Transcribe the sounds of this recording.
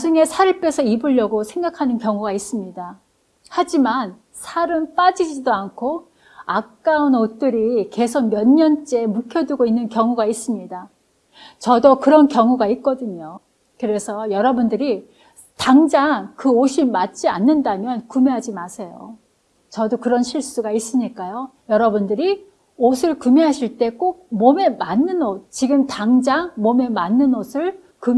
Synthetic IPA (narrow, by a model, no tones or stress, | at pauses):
d͡ʑuŋe̞sʰaɾɯɭp͈e̞sʰʌibuʎːʌɡosʰe̞ŋɡakʰanɯnkjʌŋuɡais͈ɯmɲida | had͡ʑiman | sʰaɾɯmp͈ad͡ʑid͡ʑidoankʰo | akk͈aunot͈ɯɾike̞sʰok̚mjʌnːʌnt͡ɕ͈e̞mukʰjʌduɡoinːɯnkjʌŋuɡais͈ɯmɲida | t͡ɕʌdʌkɯɾʌnkjʌŋuɡait̚k͈ʌdɯɲo | kɯɾe̞sʰʌjʌɾʌbundɯɾi | taŋd͡ʑaŋkɯoɕʰimat̚t͡ɕ͈ianːɯndamjʌnkume̞ɦad͡ʑimasʰe̞jo̰ | t͡ɕʌdokɯɾʌnɕʰiɭs͈uɡais͈ɯmɲik͈ajojʌɾʌbundɯɾi | osʰɯɭkumeɦaɕʰiɭt͈e̞k͈ok̚mome̞manːɯnot̚t͡ɕiɡɯmtaŋd͡ʑaŋmome̞manːɯnosʰɯɭ | kum